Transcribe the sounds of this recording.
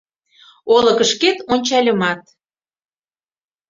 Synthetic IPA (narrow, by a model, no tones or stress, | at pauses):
olɤ̆kə̆ʃket̪onʲt͡ɕɑlʲə̆mɑt̪̚